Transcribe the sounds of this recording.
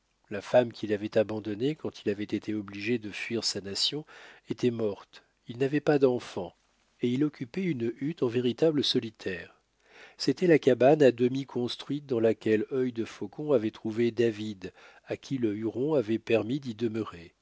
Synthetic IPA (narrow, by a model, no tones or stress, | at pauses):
lafamkʲʰilavɛt̪abɑ̃d̪ɔnekɑ̃t̪ʰilavɛt̪et̪ʰeɔbliʒed̪əfɥiʁsanasjɔ̃et̪ʰɛmɔʁt̪ | ilnavɛpad̪ɑ̃fɑ̃ | eilɔkʲʰypɛynyt̪ɑ̃veʁit̪abləsɔlit̪ʰɛːʁ | set̪ɛlakabanad̪əmikʰɔ̃st̪χɥit̪̚d̪ɑ̃lakʲɛlœjd̪əfɔkʰɔ̃avɛt̪χuved̪avid̪ | akʲʰiləyʁɔ̃avɛpɛʁmid̪id̪əmøʁe